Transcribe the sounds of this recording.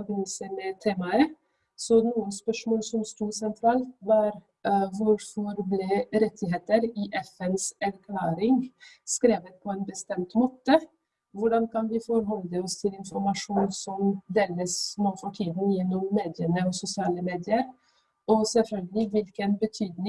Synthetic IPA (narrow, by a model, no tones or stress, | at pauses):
bənisəmɛt̪ʰeːmɑə | sɔnuːəspœʂmoːlsɔmst̪uːɾsɛnt̪ʰɾɑːlt̪ʋɑːɾ | ʋʊɾfɔɾblɛɾɛt̪ʰɪɦeːt̪əɾiːʔɛfɛnsæɾkʰlɑːɾɪŋskɾeːʋət̪̚pʰɔɛːnbəst̪ɛmt̪moːt̪ə | ʋʊɖɑnkʰɑnʋɪfɔɾɦɔld̪əɔst̪ʰɪlɪnfɔɾmɑʃʂuːnsɔmd̪eːləsmoːfɔʈʰiːd̪njɛnːɔmːeːd̪ɪənəɔsʊsɪɑːləmeːd̪ɪəɾ | ɔsɛlfœlɡəlɪʋɪlkənbət̪ʰyːd̪nɪ